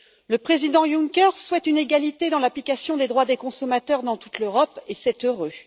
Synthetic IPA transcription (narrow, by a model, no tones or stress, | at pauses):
ləpχezid̪ɑ̃juŋkʲɛʁswɛt̪yneɡalit̪ed̪ɑ̃laplikasjɔ̃d̪ed̪ʁwad̪ekɔ̃sɔmat̪œʁd̪ɑ̃t̪u̥t̪løʁɔpesɛt̪øʁø